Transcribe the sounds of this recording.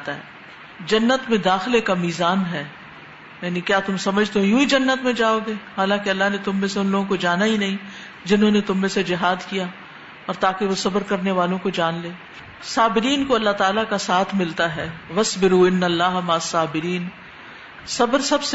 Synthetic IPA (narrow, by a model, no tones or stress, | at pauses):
t̪aɦɛː | d͡ʒɐnːət̪mẽd̪aːxɪlekamiːzaːnɦɛː | jaːnikjaːt̪ʊmsɐməd͡ʒʱt̪ojũid͡ʒɐnːət̪mẽd͡ʒaːoːɡeːhaːlãːkeɐlːaɦnet̪ʊmːẽseʊ̃nloːɡõkod͡ʒaːnaɦinɐɦĩ | d͡ʒɪnɦõnet̪ʊmːẽsed͡ʒɪɦaːd̪kija | ɔːɾt̪aːkeʋosɐbəɾkɐɾneʋaːlõkod͡ʒaːnleː | saːbɪɾiːnkoɐlːaɦt̪aːlakasaːt̪ʰmɪlt̪aɦɛːʋɐsbɪɾuːɪnːɐlːaːɦmaːsaːbɪɾiːn | sɐbəɾsɐbs